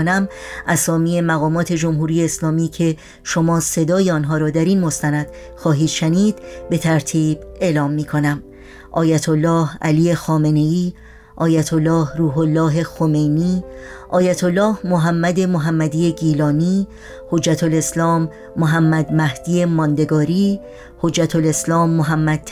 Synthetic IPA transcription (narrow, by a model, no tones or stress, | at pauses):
næmʔæsɒːmiːe̞mæɣɒːmɒːt̪ʰe̞d͡ʒo̞mɦuːɾije̞ːslɒːmiːcʰe̞ | ʃo̞mɒːse̞d̪ɒːjeɒːnɦɒːɾɒːd̪æɾinmo̞st̪ænæd̪̥ | xɒːɦiːd̪̥ʃæniːd̪̥be̞t̪ʰæɾt̪ʰiːbe̞ːlɒːmːiːkʰo̞næm | ʔɒ̰ːjæt̪ʰolːɒːhæ̰lije̞xɒːme̞ne̞jiː | ʔɒːjæt̪ʰolːɒːhruːɦolːɒːɦe̞xo̞me̞jniːʔɒːjæt̪ʰolːɒːhmoɦæmːæd̪e̞moɦæmːæd̪iːe̞ɡiːlɒːniː | hod͡ʒːæt̪ʰole̞slɒːmː | oɦæmːæd̪mæhd̪̥iːe̞mɒːnd̪e̞ɡɒːɾiː | hod͡ʒːæt̪ʰole̞slɒːmːoɦæmːæd̥̪̚ʰ